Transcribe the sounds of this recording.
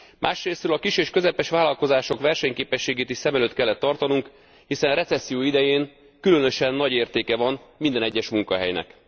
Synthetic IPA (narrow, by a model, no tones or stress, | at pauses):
mʔa̰ːʃreːsɾøːlɒkiʃeːʃkø̞zɛpɛʃʋaːlɒlko̞zaːʃo̞kʋɛrʃɛɲkeːpɛʃːeːɡeːt̪iʃsɛmɛløːt̪kɛlːɛt̪ːɒrt̪ɒnuŋk | hisɛnrɛt̪sɛsːijoːid̪ɛjeːn | kylø̞nø̞ʃɛnːɒɟeːrt̪eːkɛvɒnmind̪ɛnɛɟːɛʃmuŋkɒɦɛ̰jnɛ̰k